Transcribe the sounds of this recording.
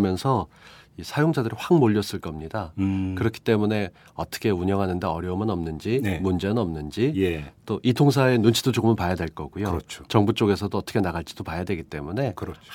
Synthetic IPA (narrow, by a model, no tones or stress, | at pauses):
mjʌnsʰʌisʰajoŋd͡ʑadɯɾiɸwaŋmoʎːʌs͈ɯɭk͈ʌmɲidakɯɾʌkʰi̥t͈e̞mune̞ | ʌt͈ʰʌ̥kʰe̞uɲʌŋɦanɯnde̞ʌɾjʌumɯnʌmnɯnd͡ʑimund͡ʑe̞nɯnʌmnɯnd͡ʑiet͈oʔitʰoŋs̬ʰae̞nunt͡ɕʰid̥od͡ʑoɡɯmɯnpajadwe̞ɭk͈ʌɡujot͡ɕʰot͡ɕʌŋbut͡ɕ͈oɡe̞sʰʌdoʌt͈ʌkʰe̞naɡaɭt͡ɕ͈id̥opajadweɡit͈e̞mune̞kɾʌt͡ɕʰ